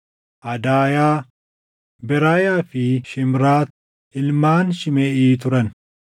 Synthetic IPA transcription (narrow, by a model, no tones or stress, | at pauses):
ʔɐd̪aːjaː | bɛɾaːjaːfɪʃɪmɾaː | ɪlmaːnʃɪmɛʔiːt̪ʊɾɐn